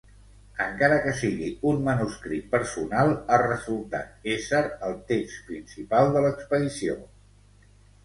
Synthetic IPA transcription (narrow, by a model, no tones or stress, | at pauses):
əŋkaɾəkəsiɣiunmənuskɾit̪̚pəɾsunalˠərəzulˠt̪a̰t̪̚esɛɾəlˠt̪ekspɾinsipalˠd̪ələkspəðisio